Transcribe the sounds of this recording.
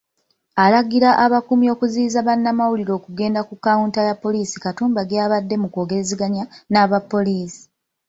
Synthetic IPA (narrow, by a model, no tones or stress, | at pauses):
alaɡiɾaʔaβakumio̞kuziːzaβanːamawuliɾo̞ːkuɡe̞ːndakukːauntajapːo̞liːsi̥katuːmbaɡaːβadːe̞muko̞ːɡe̞ɾeziɡaɲanaːβapːo̞liːsi̥